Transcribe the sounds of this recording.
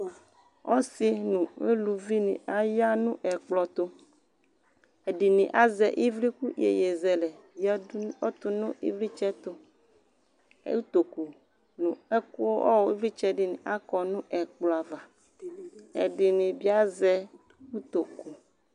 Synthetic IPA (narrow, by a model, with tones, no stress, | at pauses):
ɔ̰˦si˦nũ˨me˦lu˨vi˦nḭ̃˨a˨ja˦nũ˦ʔɛ˨k͡plɔ˨t̪o˦ | e˨ɖi˨nĩ˨ʔa˦zɛ˨ʔi˦vli˦ku˦jḛ˨je˨zɛ˨lɛ˨ | i˦o˦t̪u˦nũ˦ḭ˦vɾi˦t͡ʃɛ˦t̪o˦ | u˦t̪o˨ku˨ | nũ˨ɛ˦ku˦o˦ʔɔ̰˦we˦vɾi˦t͡ʃɛ˦di˨nĩ˨ʔa˦kɔ˨nũ˦ʔɛ˨k͡plɔ˨a˨va˨ | ḛ˨ɖi˨nĩ˨bi˦a˦zɛ˦ | wu˦t̪o˨ku˨